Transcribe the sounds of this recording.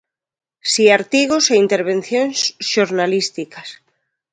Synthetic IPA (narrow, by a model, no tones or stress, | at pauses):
siaɾt̪iɣ̞oseint̪eɾβ̞ẽn̟θjonsʃoɾnalist̪ikas